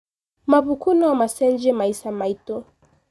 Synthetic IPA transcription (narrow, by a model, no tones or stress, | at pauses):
maβukunɔwamasɛnd͡ʒɛmaisamaitɔ